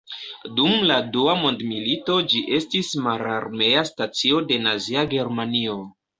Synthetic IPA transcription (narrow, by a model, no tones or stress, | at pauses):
dumladuamo̞ndmilito̞d͡ʒiʔe̞stismaɾaɾme̞astat͡sio̞de̞naziaɡe̞ɾmanio̞